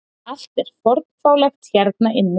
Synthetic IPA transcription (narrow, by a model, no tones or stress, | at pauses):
al̥t̪ɛɾ̥fɔɾt̪fawlɛxt̪çɛɾt̪̚naʔɪnːɪ